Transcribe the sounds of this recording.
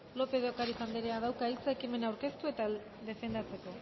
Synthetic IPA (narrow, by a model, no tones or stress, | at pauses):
lo̞pe̞ðeokaɾisand̪iɾeað̞awkailt͡saekime̞nawɾke̞st̪ue̞t̪a | ðe̞fe̞nd̪at͡se̞ko̞